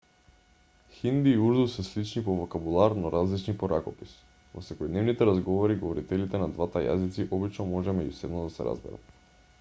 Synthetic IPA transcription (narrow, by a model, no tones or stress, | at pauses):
xind̪iːuɾd̪usɛslit͡ʃnipovokabulˠaɾnɔɾʔazlit͡ʃnipoɾakɔpis | vo̰sɛkɔjd̪nɛvnit̪ɛɾazɡɔvɔɾiɡovɔɾit̪ɛlit̪ɛnad̪vat̪aja̰zit̪siʔɔbit͡ʃnɔmɔʒɛmɛɟusɛd̪nɔd̪asɛ̰ɾa̰zbɛ̰ɾa̰t̪